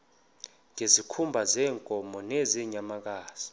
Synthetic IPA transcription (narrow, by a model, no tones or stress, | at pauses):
ŋʱezikʰumbʱazɛːŋkʼɔmɔneziɲamak̬ʼaːz̥i